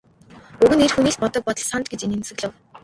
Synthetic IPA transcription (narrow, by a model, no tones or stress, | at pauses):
ɵɣɘ̆nerxuniːɬpɔt̪ɞ̆k̚pɔt̪ɞ̆ɮsant̪ɡet͡ɕinensɘ̆ɣɮɘ̆w